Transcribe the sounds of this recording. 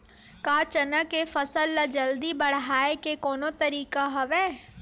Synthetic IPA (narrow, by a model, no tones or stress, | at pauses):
kaːt͡ʃənəkefəsəlːad͡ʒəld̪ibɐɽ̤ɦaːekekɔːnot̪ɐɾiːkaɦɐʋɛː